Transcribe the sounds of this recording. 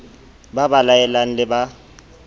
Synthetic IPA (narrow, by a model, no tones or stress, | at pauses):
babalaɛlaŋ̩lɪba